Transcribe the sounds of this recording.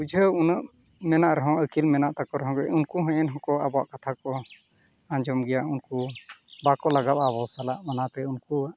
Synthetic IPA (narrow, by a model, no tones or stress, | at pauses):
ud͡ʒʱəunəʔmɛnaʔɾɛɦɔ̃ʔəkilmɛnaʔt̪akɔɾɛɦɔ̃ɡɛunkuɦɛ̃ʔɛnɦɔ̃kɔabɔa̰ʔkat̪ʰakɔ | ãɲd͡ʒɔmɡɛjaʔunkubakɔlaɡap̪̚aβɔsalaʔmanat̪ɛunkuaʔ